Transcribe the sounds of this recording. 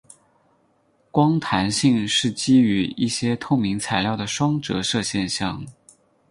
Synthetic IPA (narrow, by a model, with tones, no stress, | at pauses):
kwɑ˥ŋt̪ʰa˧˥nɕi˥˧ŋʂɻ̩˥˩t͡ɕi˥y˧˥i˥˩ɕjɛ˥t̪ʰʊ˥˩ŋmi˧˥ŋt͡sʰa˧˥ɪljɑ˥˩ʊd̪ə˩ʂwɑ˥ŋʈ͡ʂɤ̰˧˥ʂɤ˥˧ɕjɛ˥˧nɕjɑ˥˩ŋ